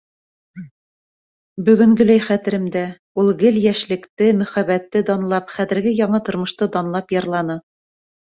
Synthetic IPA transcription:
bɵ̆ɡɵ̆ŋɡɵ̆læjχæt̪ɘ̆ɾɘ̆md̪æ | ulˠɡɘljæʃlɘ̆kt̪ɘmɵ̆χæβæt̪ːɘd̪ɑnlˠɑpχæðɘ̆ɾɡɘjɑɴɤt̪ŏɾmŏʃt̪ɤd̪ɑnlˠɑpjɑɾlˠɑnɤ

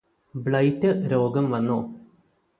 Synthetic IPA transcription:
bɭɐjtːɨɾoːɡɐmʋɐnːoː

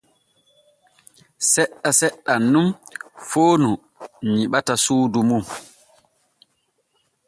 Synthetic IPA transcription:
sɛɗːasɛɗːanːumfoːnu | ɲiɓatasuːdumum

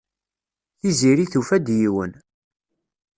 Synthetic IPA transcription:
θiziɾiθufæd̪jiwən

